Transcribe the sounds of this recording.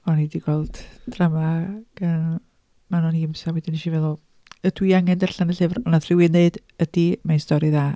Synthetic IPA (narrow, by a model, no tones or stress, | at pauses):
ɔnidiɡɔlˠd̥d̥ramaɡ̥ən | manɔniɪmsawɛdɪniʃivɛlˠɔ | ədwiaŋɛndɛrɬanəɬɨvrɔnaθrɪwɨneɨd | əd̥imajnstɔɾɨðaː